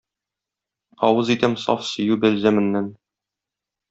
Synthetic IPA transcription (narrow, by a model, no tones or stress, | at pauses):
ɒwɤzit̪ɘmsɒ̰fsɵ̆jʉbɘ̆lzæmɘ̆nːæn